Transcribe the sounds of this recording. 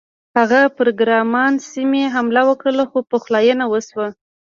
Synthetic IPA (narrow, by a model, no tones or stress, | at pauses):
haɣapʊɾoɡɾɑmɑnsimeɦamlawəkɽəlaxopoxlɑjənawəswa